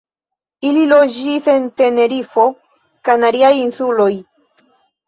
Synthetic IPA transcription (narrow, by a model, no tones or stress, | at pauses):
ililo̞d͡ʒise̞nte̞ne̞ɾifo̞ | kajnaɾiajinsulo̞j